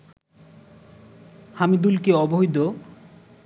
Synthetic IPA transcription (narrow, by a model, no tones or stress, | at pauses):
hamid̪ulkeɔboɦid̪o